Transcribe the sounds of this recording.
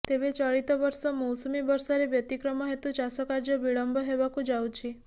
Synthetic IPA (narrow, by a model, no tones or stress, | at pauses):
t̪ebet͡ʃɔɭit̪ɔbɔɾsɔmɔwsɔmibɔɾsɔɾebjɔt̪ikɾɔmɔɦet̪ut͡ʃasɔkaɾd͡ʒɔbiɭɔmbɔɦebakud͡ʒawt͡ʃʰi